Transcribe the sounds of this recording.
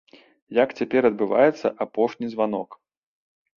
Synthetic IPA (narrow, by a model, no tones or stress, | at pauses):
jakt͡sʲapʲɛɾɐd̪̚bɨva̰jɛt̪sːɐ̰ʔapɔʂnʲizvan̪ɔk